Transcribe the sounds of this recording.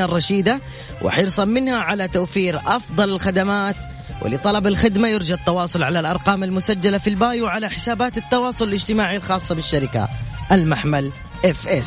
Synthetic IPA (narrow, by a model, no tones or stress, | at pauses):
arˤːɑʃiːd̪a | wʔɪ̰ħɪɾsˤɑmmːɪnhaʕalat̪awfiːɾʔɑfd̪ˤɑlalxad̪amaːt̪ | wɪ̰lɪt̪ˤɑlɑbalxɪd̪majɪɾd͡ʒat̪ːɑwɑːsˤʊlʕalalʔɑɾˤqɑːmalmʊsad͡ʒːalafilbaːjwʕalaħɪ̥saːbaːt̪ɪt̪ːɑwɑːsˤʊlɪlɪd͡ʒt̪ɪmaːʕilxɑːsˤːɑbɪʃːaɾɪka̰ʔalmaħmal | ʔɛfʔɛs